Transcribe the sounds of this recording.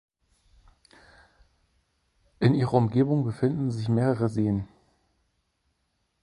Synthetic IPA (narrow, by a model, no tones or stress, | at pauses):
ʔɪnʔiːʁɐʊmɡeːbʊŋbəfɪndn̩zɪçmeːʁəʁəzeːən